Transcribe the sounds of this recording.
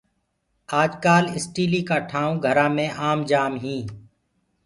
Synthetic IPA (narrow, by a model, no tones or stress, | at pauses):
aːd͡ʒkaːlɪsʈiːliːkaːʈʰãːũːɡʱəɾãːmẽːʔaːmd͡ʒaːmɦĩː